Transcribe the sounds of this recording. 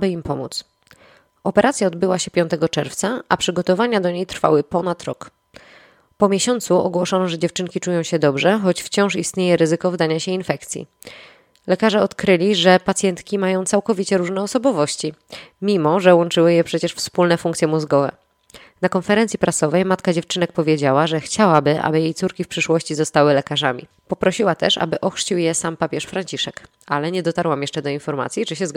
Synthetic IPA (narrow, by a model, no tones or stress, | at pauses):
bɘimpɔmṵt̪s | ɔpɛɾʔat̪sʲjaɔd̪bɘwaɕɛpʲjɔ̃nt̪ɛɡɔt͡ʂɛɾft̪saʔapʂɘɡɔt̪ɔvaɲad̪ɔɲejt̪ɾfa̰wɘpɔnat̪ɾɔ̰k | pɔmʲjeɕɔnt̪suɔ̰ɡwɔʂɔnɔʐɛd͡ʑɛft͡ʂɘŋkʲit͡ʂujɔ̃w̃ɕɛd̪ɔbʐɛxɔt͡ɕft͡ɕɔ̃w̃ʂist̪ɲejɛɾɘzɘkɔvd̪aɲaɕɛinfɛkt̪sʲjḭ | lɛkaʐɛɔt̪kɾɘlʲiʐɛpat̪sjɛnt̪kʲimajɔ̃w̃t̪sawkɔvʲit͡ɕɛɾuʐnɛɔsɔbɔvɔɕt͡ɕimʲimɔʐɛwɔnt͡ʂɘwɘjɛpʂɛt͡ɕɛʂfspulnɛfuŋkt̪sjɛmuzɡɔvɛ̰ | nakɔnfɛɾɛnt̪sʲipɾasɔvɛjmat̪kad͡ʑɛft͡ʂɘnɛk̚pɔvʲjed͡ʑawaʐɛxt͡ɕawabɘʔa̰bɘjejt̪suɾkʲifpʂɘʂwɔɕt͡ɕizɔst̪awɘlɛkaʐamʲḭ | pɔpɾɔɕiwat̪ɛʂa̰bɘʔɔxʂt͡ɕiwjɛsampapʲjɛʂfɾaɲt͡ɕiʂɛk | ʔalɛɲɛd̪ɔt̪aɾwamjɛʂt͡ʂɛd̪ɔinfɔɾma̰t̪sʲjit͡ʂɘɕɛz